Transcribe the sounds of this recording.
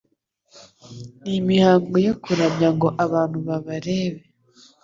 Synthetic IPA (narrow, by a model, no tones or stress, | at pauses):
nimihaːŋɡojokuɾamjaŋɡo̞ʔaβaːn̥huβaβaɾe̞ːβe